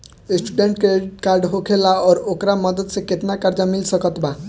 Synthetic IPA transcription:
esʈuɖeɳʈkekaɾɖɦokʰelaɔɾokɾamʌd̪əd̪seket̪nakaɾd͡zamilsʌkɔt̪ba

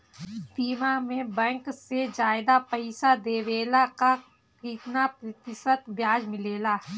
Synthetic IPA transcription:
siːmamẽbɛ̃ŋksed͡ʒaːɪd̪apɐɪsad̪eːʋeːlaka | iːknapɾɐt̪ɪsət̪bjaːd͡ʒmɪleːlaː

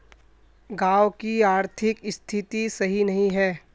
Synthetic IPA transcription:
ɡaːʋkiaːɾt̪ʰɪkɪst̪ʰɪt̪isɐɦinɐɦĩɦɛː

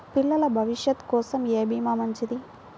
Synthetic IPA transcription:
piɭːɐlɐbʱɐʋiʂjɐt̪kɔːsɐmeːbiːmaːmɐɲt͡ʃid̪i

